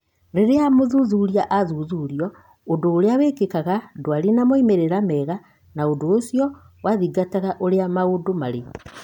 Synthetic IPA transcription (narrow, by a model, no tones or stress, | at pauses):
ɾeɾeamoðuðuɾiaʔaðuðuɾiɔ | odoːɾeawekekaɣadwaɾinamoimeɾeɾamɛːɣa | naondoːsjɔ | waðiɡataɣaʔoɾeamaodomaɾe